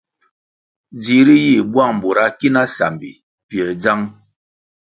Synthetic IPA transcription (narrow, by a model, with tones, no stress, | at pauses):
d͡zi˨˦ɾi˦ji˦˨bwa˦˨ŋm̩˨bo˨ɾa˦ki˦na˦sa̰˨mbḭ˨ | pi˨ə˨d͡za˦ŋ